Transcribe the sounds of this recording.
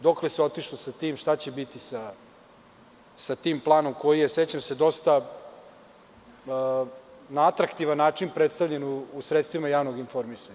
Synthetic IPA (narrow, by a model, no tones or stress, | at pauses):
d̪o̞kleseo̞t̪iʃlosat̪iːmʃt̪at͡ɕe̞bit̪isa | sat̪iːmplˠaːno̞mko̞jijeset͡ɕamse̞d̪o̞st̪a | naat̪ɾakt̪iʋanːaːt͡ʂinpɾet̪st̪avʎe̞nuːsɾet̪st̪ʋimajaːʋno̞ɡinfo̞ɾmisaɲa